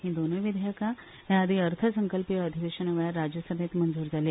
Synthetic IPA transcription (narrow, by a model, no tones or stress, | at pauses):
ɦĩːd̪onəʋid̪ʱjəka | ɦjaːd̪ʱiəɾt̪ʰəsəŋkəlpiəd̪ʱiʋeɕənəʋɭjaɾːad͡ʑjəsəbet̪mənd͡zuːɾd͡zʱale